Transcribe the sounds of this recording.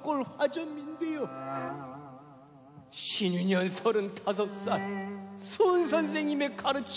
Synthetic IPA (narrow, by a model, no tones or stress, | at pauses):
k͈oɭɸwad͡ʑʌnmindejo | ɕʰiɲuɲʌnsʰʌɾɯntʰas̬ʰʌk̚s͈ansʰuns̬ʰʌns̬ʰeŋɲime̞k͈aɾɯt͡ɕʰ